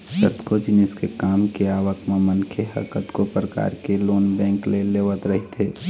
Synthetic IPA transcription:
sə̰t̪kod͡ʒɪnɪskekaːmkeaːʋəkmẽmənkʰeɦɐ̰ɾkət̪kopɾəka̰ːɾkeloːnbɛ̃ːŋkleleːʋət̪ɾɐɦit̪ʰeː

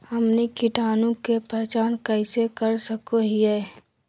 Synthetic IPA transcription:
həmnikɪʈaːnõkepɛːt͡ʃaːnkɛɪsekəɾsəkoɦiɛ

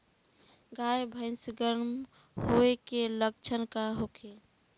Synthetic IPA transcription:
ɡajbʱə̃ɪnsɡəɾnm | hoekelək̚t͡ʃʰənkaɦokʰe

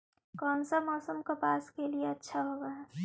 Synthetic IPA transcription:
kɔːnsamɔːsəmkapaːskelieɐtːʃʰaɦoːɡaː

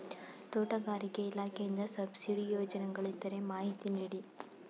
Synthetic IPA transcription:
t̪oːʈɐɡaːɾikeilaːkejind̪ɐsɐbsiɽijoːd͡ʒɐnɐŋɡɐɭit̪ːɐɾemaːɦit̪iniːɽi

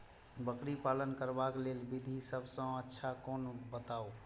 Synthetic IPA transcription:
bəkɽipalənkəɾbaklelbid̪ʱisəbʱsə̃ətːʃʰakonbət̪ao

